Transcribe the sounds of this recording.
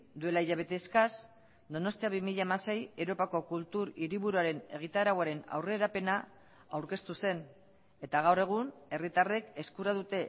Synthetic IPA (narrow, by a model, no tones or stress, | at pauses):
d̪ue̞laiʎaβ̞e̞t̪e̞skas | d̪o̞no̞st̪iaβimiʎaemase̞jewɾo̞pako̞kult̪uɾiɾiβuɾuaɾe̞ne̞̰ɣ̞it̪aeɾaɣwaɾe̞na̰wre̞ːɾape̞na | awɾke̞st̪use̞n | e̞t̪aɣ̞awre̞ɣ̞une̞rit̪are̞ke̞skuɾað̞ut̪e̞